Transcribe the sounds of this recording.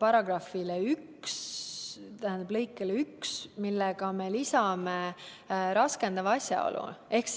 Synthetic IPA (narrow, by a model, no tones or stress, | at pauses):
pɑɾɑɡ̥rɑfileyks | t̪æhænd̪ɑblɤjkːˑeleyksmilːɛɡ̥ɑme̞lisɑme | ɾɑskend̪ɑvɑɑsjɑ̰o̞̰lṵe̞hks